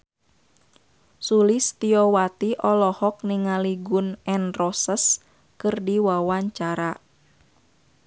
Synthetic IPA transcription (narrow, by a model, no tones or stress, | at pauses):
sulist̪iɔwat̪iʔɔlɔhɔk̚niŋaliɡunɛnrɔsəs | kɨrdiwawaɲt͡ʃaɾa